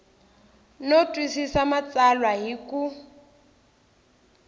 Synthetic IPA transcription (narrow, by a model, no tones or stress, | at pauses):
notʼwisisamat͡salwaɦikʼu